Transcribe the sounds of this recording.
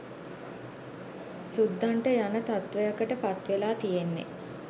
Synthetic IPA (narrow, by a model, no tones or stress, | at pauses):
sud̪ʱːaɳʈəjanət̪at̪ʋəjakəʈəpat̪ʋelaːt̪ijenːḛ